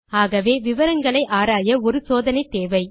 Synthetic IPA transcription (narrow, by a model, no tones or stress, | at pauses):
aːɣɐʋeːʋɪʋɐɾɐŋɡɐɭɐɪʔaːɾaːjɐɔɾɯsoːðɐnɐɪt̪eːʋɐɪ